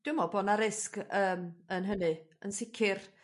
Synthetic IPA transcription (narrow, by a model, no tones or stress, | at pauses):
d̥ɪmɔboːnaɾɪskəːmənɦənɨənsɪkʰɪr